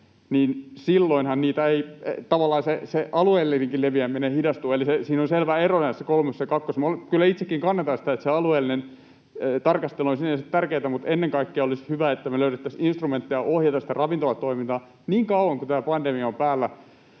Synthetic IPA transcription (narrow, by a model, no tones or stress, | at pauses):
niːnsilːoinhɑnniːt̪æeit̪ɑʋɑlːˑɑːseseʔɑlueːlːeniŋkileʋiæminehidɑst̪uɑelisesiːnonselʋæeronɑæsekolmessekɑkːosmolkylːæit̪sekːiŋkɑnːet̪ɑsi̥t̪æet̪seɑlueːlːinen | t̪ɑrkɑst̪elonsinːesit̪t̪ærkeːt̪æmut̪enːeŋkɑikːiɑolishyʋæet̪ːæmeløyɾet̪ːæsinst̪rument̪ːiɑʔohjɑt̪ɑsit̪ærɑʋint̪olɑt̪oimint̪ɑː | niːŋkɑuwɑŋkut̪æːpɑndemiɑompæːlːæ